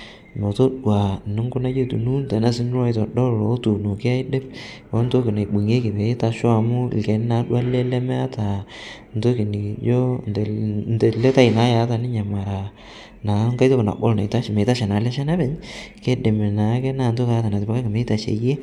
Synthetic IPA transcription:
mɛ˨to˦ɗwa˨nɪ˦ŋɡʊ˦na˦je˦tṵ˨nu˦ntɛ˨˦na˦sɪ˦n˦ɾwa˦jtɔ˨dɔ˦ɾlo˨˦tu˨no˨kɪ˦a˦ɪ˦de˦p̚ | o˦nto˦kɪ˨na˨i˨ɓu˨ŋe˦kɪ˨βe˨˦ta˨ʃɔ˦a˨mʊ˦ɪ̰˨ke˨˦n˦na˨˦ɗwa˦le˦lɛ˦mɛ˦a˦ta˨ | nto˦ki˨ni˨d͡ʒo˦ntnte˨le˦ta˦i˨na˦ja˨˦ta˨nɪ˦ɲa˨ma˨ɾa˨ | na˨˦ŋka˦jto˦pna̰˨bo̰˦lna˨i˨ta˦ʃme˨ta˦ʃɛ˨na˨lɛ˦ʃɛ˦na˦bɛ˨ɲke˦de˨me˨na˨˦kɛ˦na˨nto˦ka˨a˦ta˨na˨tɪ˨pa˦ka˦kɪ˨me˨˦ɪ˦ta˨ʃḛ˨je˦

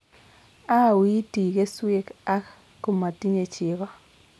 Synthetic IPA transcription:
a˦wi˦ti˨ke˦swe˦ka˦k | kːo˦ma˨ti˦ɲe˨t͡ʃɪ˨ɣɔ˦

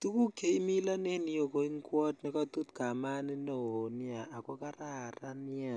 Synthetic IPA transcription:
tu˦ku˦ke˨i˦mi˦la˦ne˦ni˨jo˨ko˨i˦ŋkwɔ˦tnɛ˨kɔ˦tu˦tka˨ma˦ni˦no˨o˨ni˦a˨a˨kɔ˦ka˦ɾa˦˨ɾa˦nja˨

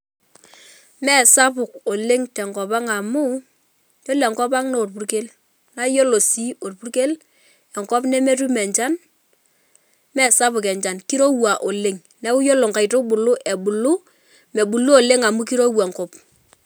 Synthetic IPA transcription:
mɛ˦˨sa˦pʊ˨ko˨le˦ŋtɛ˨ŋkɔ˨pa˦ŋa˨mʊ˦ | t͡ʃo˦lɛ˨ŋkɔ˦pa˦ŋno˦o˨rpu˨˦rke˦l | na˦jo˦lo˨si˦o˨rpu˦rke˦l | ɛ˨ŋkɔ˦pnɛ˦me˦tu˦mɛ˨ɲt͡ʃa˦n | mɛ˦˨sa˦pʊ˨kɛ˨ɲt͡ʃa˨nki˦ɾo˦wa˨ʔo˨le˦ŋ | nɛ˦ʊ˦jo˦lo˨ŋka˨jto˦ɓʊ˨lʊ˦ʔɛ˨ɓʊ˨lʊ˦ | mɛ˨ɓu˨lu˦o˨le˦ŋa˨mu˦ki˦ɾo˦wɛ˨ŋkɔ˦p

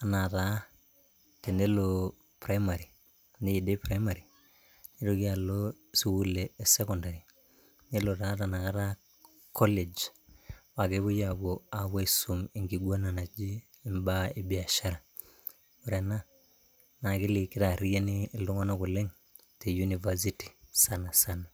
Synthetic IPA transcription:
a˨na˨ta˨˦ | te˨ne˦lo˨ | pɾa˦i˦ma˨ɾi˨ | ni˦ji˨de˦pɾa˦i˦ma˨ɾi˨ | ne˦ɾo˦ki˦a˨lo˦ | si˦wu˦leː˨se˦kɔ˨nda˨ɾi˨ | ne˦lo˨ta˨˦ta˨na˨ka˦ta˦ | kʰɔ˦le˨d͡ʒ | wa˨ke˦βu˦ja˨bo˨a˨we˦i˦su˨mi˨ŋɡi˨ɡo˦na˨na˨d͡ʒiː˦ | mba˦i˨bi˨a˨ʃa˦ɾa˨ | u˨ɾe˨na˦ | na˨ki˦li˨kːɪ˦ta˨ɾi˦ja˦ni˦˨lu˦ŋa˦no˦ku˨le˦ŋ | te˨ju˦ni˨va˦s̬i˦ti̥˨sa˨na˨sa˦na˨

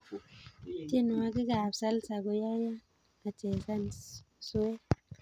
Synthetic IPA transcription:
ti˦n˨wa˧ɡi˦ɡa˨bsa˦lsa˨ɡo˨ja˦ja˦ | a˨te˨ka˦n | su˦we˦

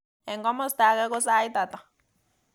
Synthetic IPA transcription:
ɛ˨ŋɡɔ˦mɔ˦st̪a˨˦kɛ˦kɔ˦sa˦i˦t̪a˨t̪a˨

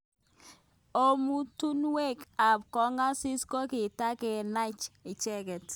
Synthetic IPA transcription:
o˦mu˦tu˦nwe˦˨ka˨p̚kɔ˨˦ŋa˦sɪ˦sko˦kɪ˨ta˦kɛ˨na˦t͡ʃɪ˨t͡ʃɛ˦kɛ˨t

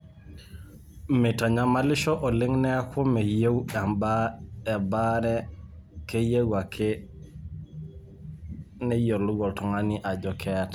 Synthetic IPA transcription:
mɛtaɲama˦li˦ʃɔ˦ʔɔ˨li˦ŋnɛ˦kʰu˦mɛ˨je˦wɗa˨mbaː˨baɾɛkeje˦ɡwa˨kʰe | nɛjo˨lu˦ɡɔ˨ltɔ˨ŋaniʔa˨d͡ʒɔkʰɛta

